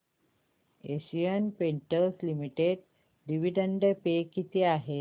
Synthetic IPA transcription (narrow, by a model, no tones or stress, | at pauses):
eɕijənpeɳʈəɾslimiʈeɽ | ɖiʋiɖəɳɖəpekit̪ʰeaɦe